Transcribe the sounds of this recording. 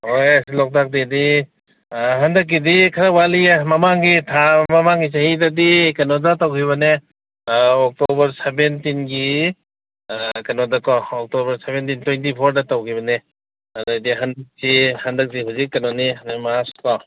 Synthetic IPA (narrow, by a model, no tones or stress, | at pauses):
ojasilɔk̚dak̚didi | ɦandak̬ːidikʰaɾawalimamaŋɡitʰamamaŋɡisahidadikanɔdatawkʰiβane | ɔk̚tɔbɐɾsebentinɡi | kanɔdakɔɔk̚tɔbɐɾsebentintwejntipʰɔɾdatawkʰiβane | anadiɦandak̚tihandak̚diɦuzikːanɔnianemaskɔ